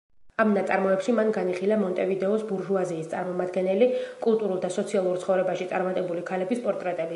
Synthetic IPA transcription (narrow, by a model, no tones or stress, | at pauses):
amnat̪sʼa̰ɾmɔɛpʃimanɡaniχilamɔnt̪ʼɛvid̪ɛɔsbuɾʒuaziːst̪sʼaɾmɔmad̪ɡɛnɛlikʼulˠt̪ʼuɾulˠd̪asɔt̪sʰialˠuɾt̪sχɔvɾɛbaʃit̪sʼaɾmat̪ʼɛbulikʰalɛbispʼɔɾt̪ʼɾɛt̪ʼɛbi